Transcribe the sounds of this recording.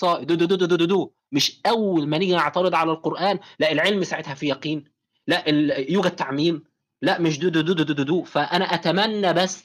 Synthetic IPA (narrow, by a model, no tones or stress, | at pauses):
sˤɑːʔd̪ud̪od̪ud̪ud̪ud̪ud̪uːʔ | mɪʃʔæwːælmænɪɡʔeʕt̪ɑɾɨd̪ˤʕalælqoɾʔæːnlæʔelʕelmsaʕet̪hæfijɑqiːn | læʔejuːɡæd̪̚t̪ːaʕmiːm | læʔmɪʃ̬d̪ud̪ud̪ud̪ud̪ud̪ud̪uːʔfæʔænæʔæt̪æmænːæbæsː